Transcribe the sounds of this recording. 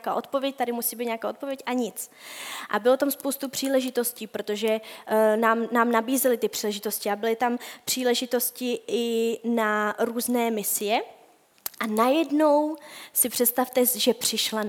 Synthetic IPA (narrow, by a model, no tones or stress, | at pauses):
kaːʔo̞t̪̚po̞vjɛc̚t̪adɪmusiːbiːt̪ɲaːkaːʔot̪̚po̞vjɛcʔaɲɪt͡sʔa̰bɪlo̞t̪amspowst̪upr̝̥iːlɛʒɪt̪o̞sciːpɾo̞t̪o̞ʒɛnaːmnaːmnabiːzɛlɪt̪ɪpr̥iːlɛʒɪt̪o̞scɪabɪlɪt̪ampr̝̥iːlɛʒɪt̪o̞scɪɪnaɾuːznɛːmɪsɪjɛ | ʔanajɛdno̞wsɪpr̝̥ɛt̪st̪aft̪ɛʒɛpr̝̥ɪʃla